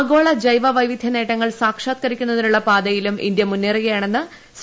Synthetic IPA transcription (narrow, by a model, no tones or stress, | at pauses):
ɐɡo̞ːɭɐd͡ʑɐjʋɐʋɐjʋid̪ʱjɐne̞ːʈːɐŋːɐɭsaːkʂaːt̪kɐɾikʲːunːɐðinuɭːɐpaːd̪ɐjilumḭnd̪jɐmunːirijɐjaːɳe̞nːɨ | s